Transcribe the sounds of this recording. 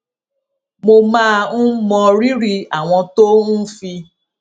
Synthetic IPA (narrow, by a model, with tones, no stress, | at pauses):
mo˧mã˦ñ̩˦mɔ̃˧ɾi˦ɾi˧a˨w̃ɔ̃˧to˦ũ˦fi˧